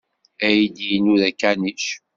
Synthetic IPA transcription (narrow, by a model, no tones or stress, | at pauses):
æjid̪jinuðækːæniʃ